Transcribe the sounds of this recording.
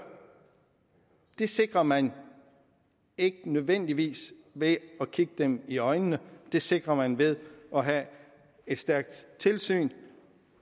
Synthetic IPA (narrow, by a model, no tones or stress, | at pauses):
d̥e̝se̝ɡ̥ʁɐmæn | e̝ɡ̥ənøð̞ˠʋen̰d̥iʋḭːsʋe̝ɒkʰiɡ̥əd̥emiɒ̽ɪnːəd̥e̝se̝ɡ̥ʁɐmænʋe̝ð̞ˠɒ̽ɦæ | e̝d̥sd̥æɐɡ̥̚d̥t͡sʰe̝lsy̰ːn